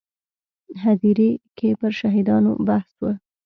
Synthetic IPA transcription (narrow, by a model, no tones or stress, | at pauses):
ɦad̪iɾekʰepəɾʃɑɦɪd̪ɑno̰bahswə